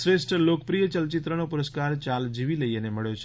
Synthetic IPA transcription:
sɾesʈlokəpɾijət͡ʃəlt͡ʃit̪ɾənopuɾəskaɾt͡ʃald͡ʒiʋiləieneməɭjot͡ʃʰe

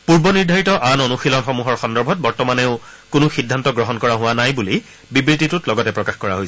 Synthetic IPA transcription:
puɹbɔniɹdʱaɹitɔʔanɔnuxilɔnxɔmuɦɔɹxɔndɔɹbʱɔt̚bɔɹtɔmaneʊkʊnʊxidʱːantɔɡɹɔɦɔnkɔɹaɦʊwanajbuli | bibɹititʊtlɔɡɔtɛpɹɔkaxkɔɹaɦojs

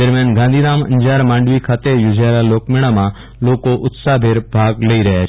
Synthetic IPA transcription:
d̪əɾmjãːnɡãːnd̪ʱiːnaːmə̰̃ɲd͡ʒaːɾmãːɳɖʋikʰaːt̪ejod͡ʒaelaloːkmɪɽ̃amã | lokoʔʊt̪sabʱeɾbʱaːɡləiɾəɦjat͡ʃʰ

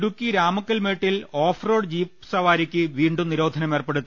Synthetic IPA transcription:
ɽukʲːiɾaːmɐkːɐlmeːʈːiloːfroːɽd͡ʑiːpsɐʋaːɾikʲːɨʋiːɳɖumniɾo̞ːd̪ʱɐnɐme̞ːrpe̞ɽut̪ː

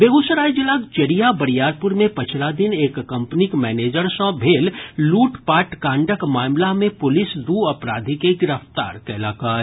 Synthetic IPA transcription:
beːɡʊsəɾaːjd͡ʒɪlaːkt͡ʃɐɾijabɐɾijaːɾpʊɾmẽpɐt͡ʃʰlad̪ɪneːkːɐ̃mpnikmɛːneːd͡ʒəɾsɔ̃bʱeːlːuːʈpaːʈkãːɳɖəkmaːmlamẽpʊlɪsd̪uːɐpɾaːd̪ʱikeɡɪɾəft̪a̰ːɾkɛɦlaːkaː

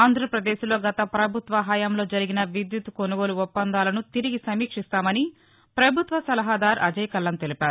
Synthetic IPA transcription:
aːnd̪ʱɾɐpɾɐd̪eːʃlo̞ːɡɐt̪ɐpɾɐbʱut̪ʋɐɦaːjɐmlo̞ːd͡ʒɐɾiɡinɐʋid̪jut̪konuɡo̞ːluupːɐnd̪aːlɐnut̪iɾiɡisɐmiːkʂist̪aːmɐni | pɾɐbʱut̪ʋɐsɐlɐɦad̪aːɾɐ̰d͡ʒɐjkɐlːɐnt̪e̞lipaːɾu

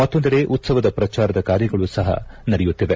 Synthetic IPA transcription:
mɐt̪ːo̞nd̪ɐɾe̞ʔut̪sɐʋɐd̪ɐpɾɐt͡ʃaːɾɐd̪ɐkaːɾjɐɡɐɭusɐɦɐ̰nɐɽɛjut̪ːiʋe

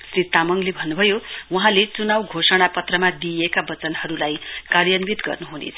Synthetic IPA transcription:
srit̪amʌŋlebʱʌnːubʱʌjowʌɦãlet͡sunawɡʱosʌɽ̃apʌt̪rʌmad̪ijekabʌt͡sʌnhʌɾulajkarjʌnbit̪ɡʌ̰rnuɦunḛt͡sʰ

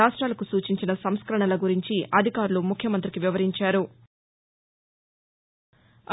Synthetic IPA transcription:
aːʂʈɾaːlɐkusuːt͡ʃiɲt͡ʃinɐsɐmskɐɾɐɳɐlɐɡuɾiɲt͡ʃiʔɐd̪ʱikaːɾulumukʰjɐmɐnt̪ɾikiʋiʋɐɾiɲt͡ʃaːɾu

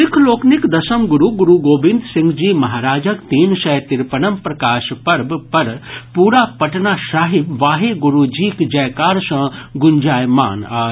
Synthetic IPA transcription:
ɪkʰloːknɪkd̪ɐsɐmɡʊɾuɡʊɾuɡoːbɪ̃nd̪sɪ̃ŋɡd͡ʒiːmɐɦaːɾaːd͡ʒəkt̪iːnsɐjt̪ɪɾpənɐmpɾɐkaːʃpɐɾbpɐɾpuːɾapɐʈnaːʃaːɦɪbʋaːɦeɡʊɾud͡ʒiːkd͡ʒɐjkaːɾsɐ̃ɡʊnd͡ʒaːjma̰ːna̰ː

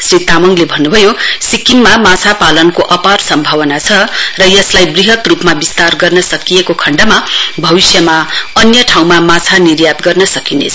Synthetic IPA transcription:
srit̪amʌŋlebʱʌnːubʱʌjosikimːamat͡sʰapalʌnkoʔʌparsʌmbʱawʌnat͡sʰʌrʌjʌslajbriɦʌt̪rupmabist̪arɡʌrnʌsʌkijekokʰʌɳɖamabʱʌbisjʌmaʌnjʌʈʰaw̃mamat͡sʰanirjat̪ɡʌrnʌsʌkinḛt͡sʰʌ

